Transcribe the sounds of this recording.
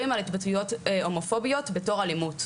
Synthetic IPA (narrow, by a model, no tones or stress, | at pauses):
imalitbatujo̞to̞mo̞fo̞bijo̞tbe̞to̞ʁalimut